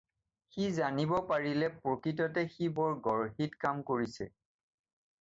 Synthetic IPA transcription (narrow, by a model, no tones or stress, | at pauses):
xizanibɔpaɹilɛpɹokɹitɔtɛxibɔɹɡɔɹɦitkamkoɹisɛ̰